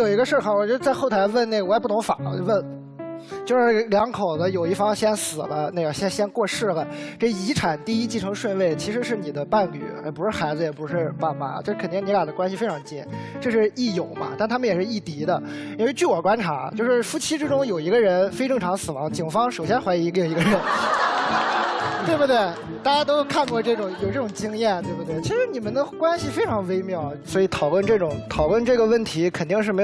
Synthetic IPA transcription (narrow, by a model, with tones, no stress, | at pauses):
jo˨˩ʊi˧˥ɡə˧ʂə˥˩xʰɑ˨˩wt͡ɕɥɛ˧˥ə˧t͡sa˥˧ɪxo˥˩ʊt̪ʰa˧˥ɪwə˥˩nne˥˩ɡwɔ˧˥jpu˥˩t̪ʊ˧˥ŋfa˨˩˦wə˥˩n | t͡ɕjo˥˧ʊʂɻ̩˥˩˥ljɑ˧˥ŋkʰo˨˩ʊd̪ə˦jo˨˩ʊi˥˩fɑ˥ŋɕjɛ˥nsɹ̩˨˩lə˦ne˥˩ɡə˩ɕjɛ˥nɕjɛ˥nkwɔ˥˧ʂɻ̩˥˩lə˩ʈ͡ʂɤ˥˩i˧˥ʈ͡ʂʰa˨˩˦nt̪i˥˧i˥t͡ɕi˥˩ʈ͡ʂʰɤ˧˥ŋʂwə˥˧nwe˥˩ɪt͡ɕʰi˧˥ʂɻ̩˧˥ʂɻ̩˥˩ni˨˩d̪ə˦pa˥˩nly̰˨˩jɛ˨˩pu˧˥ʂɻ̩˥˩xa˧˥ɪd͡zɹ̩˧jɛ˨˩pu˧˥ʂɻ̩˥˧pa˥˩nma̰˨˩t͡ɕjʂ̩ʰ˥˩ə˨˩t̪i˥˩ŋni˧˥ka˨˩d̪ə˦kwa˥nɕi˨˧fe˥ɪʈ͡ʂʰɑ˧˥ŋ˧t͡ɕḭ˥˩nʈ͡ʂɤ˥˧ʂɻ̩˥˧i˥˩jo˨˩ʊmɐ̰˦t̪a˥˩nt̪ʰa˥mə˨njɛ˨˩ʂɻ̩˥˧i˥˩t̪i˧˥d̪ə˧˥ | e˥t͡ɕy˥˩wɔ˨˩kwa˥nʈ͡ʂʰa̰˧˥t͡ɕjo˥˧ʂɻ̩˥˩fu˥t͡ɕʰi˥ʈ͡ʂɻ̩˥ʈ͡ʂʊ˥ŋjo˨˩ʊi˧˥ɡə˧ɻə˧˥nfe˥ɪʈ͡ʂɤ˥˩ŋʈ͡ʂʰɑ˧˥ŋsɹ̩˨˩wɑ˧˥ŋt͡ɕi˨˩ŋfɑ˥ŋʂo˨˩ʊɕ̬jɛ˥nxwa˧˥ɪi˧˥˧ɡjo˧˩i˧˥ɡə˧ɻə˧˥n | t̪we˥˩ɪbu˩t̪we˥˩ɪ | t̪a˥˩t͡ɕa˥t̪o˥ʊjo˥˧kʰa˥˧nkwɔ˥˧ʈ͡ʂɤ˥˩ʈ͡ʂʊ˨˩˦ŋjo˨˩ʊʈ͡ʂɤ˥˩ʈ͡ʂʊ˨˩ŋt͡ɕi˥ŋjɛ˥˩nt̪we˥˧bu˩t̪we˥˩ɪt͡ɕʰi˧˥ʂɻ̩˧˥ni˨˩mə˦nd̪ə˧kwa˥nɕi˨˩fe˥ɪʈ͡ʂʰɑ˧˥ŋwe˥ɪmjɑ˥˩ʊswɔ˧˥i˧˥t̪ʰɑ˨˩ʊlwə˥˧nʈ͡ʂɤ˥˩ʈ͡ʂʊ˨˩˦ŋt̪ʰɑ˨˩ʊlwə˥˧nʈ͡ʂɤ˥˩ɡə˩wə˥˩nt̪ʰi˧˥kʰə˨˩nt̪i˥˧ŋʂɻ̩˥˩me˧˥